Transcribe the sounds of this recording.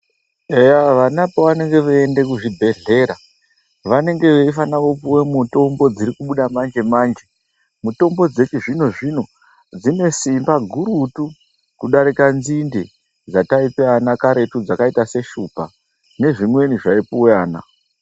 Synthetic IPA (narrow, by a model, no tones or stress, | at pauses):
ejaʋanapoʋane̞ŋɡe̞ʋeende̞kuʐibʱe̞ɮe̞ːɾa | ʋane̞ŋɡe̞ʋeifanaʋopuwemuto̞mbo̞d͡ziɾikuɓuɗamand͡ʒe̞maːnd͡ʒe̞ | muto̞mbo̞d͡ze̞t͡ʃiʐino̞ʐino̞ | d͡zine̞simbaɡʱuɾutu | kuɗaɾikanzinde | d͡zataipeanakaɾe̞tud͡zakaitase̞ʃupa | ne̞ʐimwe̞niʐaipuwaːna̰